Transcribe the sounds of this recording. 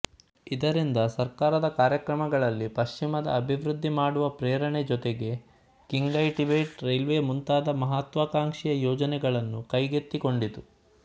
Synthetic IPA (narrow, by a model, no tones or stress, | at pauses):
id̪ɐɾind̪ɐsɐɾkaːɾɐd̪ɐkaːɾjɐkɾɐmɐɡɐɭɐlːipɐʃt͡ʃimɐd̪ɐ̰ːbʱiʋɾud̪ʱːimaːɽuʋɐpɾeːɾɐɳed͡ʒɔt̪eɡe̞ | kiŋɡɡɐjʈibeːʈɾejlʋeːmunt̪aːd̪ɐmɐɦɐt̪ʋakaːŋʂijɐjɔːd͡ʒɐnɛɡɐɭɐnːukɐjɡet̪ːiko̞ɳɖit̪u